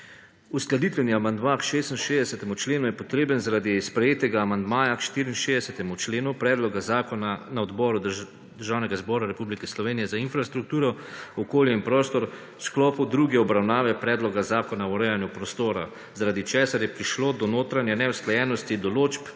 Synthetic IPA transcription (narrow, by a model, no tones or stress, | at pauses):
usklad̪it̪ʋɛniamand̪makʃeːst̪nʃeːd̪ɛsɛt̪ɛmut͡ʃleːnujɛpɔt̪ɾeːbənzaɾaːd̪ispɾɛjeːt̪ɛɡaːmand̪maːjakʃt̪iːɾiːnʃeːzd̪ɛsɛt̪ɛmut͡ʃleːnupɾɛːd̪lɔɡazakɔnanaɔd̪bɔɾu | d̪əɾʒaːwnɛɡazbɔɾaɾɛpublikɛslɔʋeːnijɛzainfɾast̪ɾuk̚t̪uːɾɔɔkoːljɛinpɾɔːst̪ɔɾ | sklɔːpud̪ɾuɡjɛɔbɾawnaːʋɛpɾɛːd̪lɔɡazaːkɔnaɔɾɛjanjupɾɔst̪oːɾa̰ | zaɾaːd̪it͡ʃɛːsaɾjɛpɾiʃloːd̪ɔnoːt̪ɾanjɛnɛwsklɛjɛːnɔst̪id̪ɔloːt͡ʃp